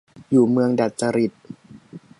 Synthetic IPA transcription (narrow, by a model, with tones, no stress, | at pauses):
juː˨˩mɯ˧əŋda˨˩t̪̚t͡ɕa˧ɾi˨˩t̪̚